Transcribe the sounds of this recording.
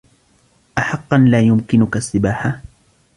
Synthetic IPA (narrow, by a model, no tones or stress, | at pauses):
ʔaħɑqːɑnlaːjʊmkɪnʊkasːɪbaːħa